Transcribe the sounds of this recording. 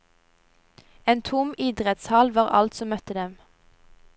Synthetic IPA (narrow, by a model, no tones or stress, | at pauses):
eːnt̪ʰʊmɪd̪ʁɛt̪shɑlʋɑːʁɑ̰lt̪sɔmœt̪əd̪ɛm